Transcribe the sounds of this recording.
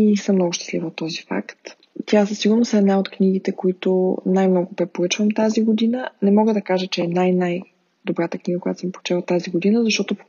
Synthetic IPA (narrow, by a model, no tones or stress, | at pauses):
isəmnɔɡʊʃt̪ɛ̥slḭvəot̪ːɔzifa̰kt̪ | t̪ʲjasəsiɡʊɾnosɛd̪naot̪kniɡ̟it̪ɛkoit̪ʊnajmnɔɡʊpɾɛpoɾɤt͡ʃvəmt̪aziɡod̪inənɛmɔɡəd̪ɐkaʒət͡ʃɛɛnajnaj | d̪obɾat̪əkniɡəkojat̪o̥səmpoʊt͡ʃɛlˠət̪ːaziɡod̪inəzɐʃt̪ɔt̪o